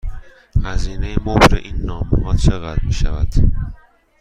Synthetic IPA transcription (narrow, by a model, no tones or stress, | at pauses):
hæziːnejemobɾḛʔiːnːɒːmoɡɒt̪t͡ʃʰeɣæd̪miːʃævæd̪̥